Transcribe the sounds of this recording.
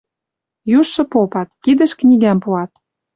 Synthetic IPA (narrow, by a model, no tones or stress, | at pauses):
juʃːɤ̆popɑt̪̚kid̪ə̆ʃknʲiɡæmpuɑt̪̚